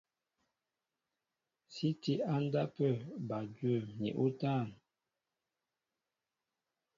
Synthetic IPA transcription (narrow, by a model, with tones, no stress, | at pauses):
si˦ti˦a˦n̩˦da˦pə˦˨ba˨dɥə˦˨nḭ˨ʔo˦taː˦˨n